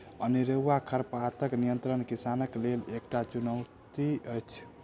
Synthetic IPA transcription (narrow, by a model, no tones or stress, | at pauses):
əniɾəwːakʰəɾpat̪əknijənt̪ɾənkisanəklelek̚ʈat͡ʃunəʊt̪iəjt͡ʃʰ